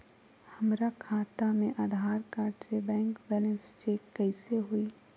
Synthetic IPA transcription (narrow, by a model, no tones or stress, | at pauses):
hɐmɾakʰaːt̪amẽʔaːd̪ʱaːɾkaɾt͡ʃebɛ̃ːŋkbɛːlə̃nst͡ʃeːkːɛɪseɦoiː